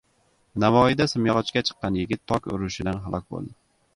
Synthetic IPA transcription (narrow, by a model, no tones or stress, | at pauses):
navɒjid̪asɪmjɒʁɑt͡ʃkʲat͡ʃʰɨ̥qːɑnjɪɡʲɪt̪ʰːɒkʲʊ̰ɾʊʃɪd̪anɦalˠɒk̚ʲbo̰lˠd̪ɪ